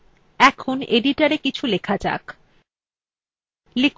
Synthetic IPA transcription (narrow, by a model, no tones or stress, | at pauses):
ɛkʰoneɖiʈaɾekit͡ɕʰulekʰad͡ʑa̰k | lek